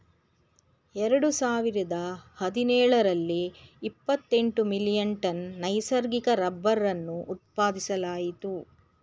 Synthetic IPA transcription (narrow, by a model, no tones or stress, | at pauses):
ɛɾɐɽusaːʋiɾɐd̪ɐhɐd̪inɛːɭɐɾɐlːiːpːɐt̪ːe̞ɳʈumilijɐɳʈɐnːɐjsɐɾɡikɐɾɐbːɐɾːɐnːuʔːt̪̚paːd̪isɐlaːjit̪u